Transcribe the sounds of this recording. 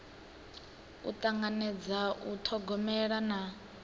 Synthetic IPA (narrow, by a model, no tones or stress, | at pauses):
ṵt̪ʼaŋɡanɛd͡zaʔut̪ʰɔɡɔmɛɺana